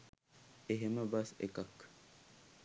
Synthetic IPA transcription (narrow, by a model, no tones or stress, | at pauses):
eɦeməbɐsḛkɐk